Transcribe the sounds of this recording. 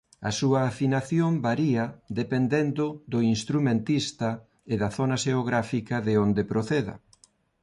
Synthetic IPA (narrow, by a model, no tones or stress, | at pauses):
ɐsuɐːfinaθjombaɾiɐd̪epend̪end̪ʊðʊinst̪ɾumẽnt̪ist̪ɐ | eðɐθonɐʃeoɣɾafikɐðeond̪epɾoθeðɐ̰